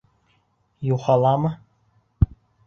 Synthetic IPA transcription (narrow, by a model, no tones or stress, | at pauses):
juχɑlˠɑmɤ